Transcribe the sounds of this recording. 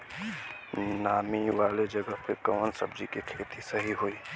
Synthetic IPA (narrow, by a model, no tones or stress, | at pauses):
naːmiwaːled͡ʒəɡəpʰekəːnsə̰b̚d͡ʒikekʰeːt̪isəɦiɦoiː